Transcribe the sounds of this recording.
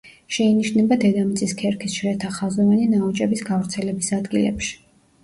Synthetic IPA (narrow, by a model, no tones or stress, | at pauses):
ʃɛiniʃnɛbad̪ɛd̪amit̪sʼiskʰɛɾkʰisʃɾɛt̪ʰaχazɔvaninaɔt͡ʃʼɛbisɡavɾt̪sʰɛlɛbisad̪ɡilɛ̰pʃi̥